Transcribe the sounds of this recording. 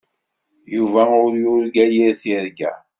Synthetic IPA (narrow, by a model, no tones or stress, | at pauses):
juvæʊɾjʊɾɡæjiɾθiɾɡæ̰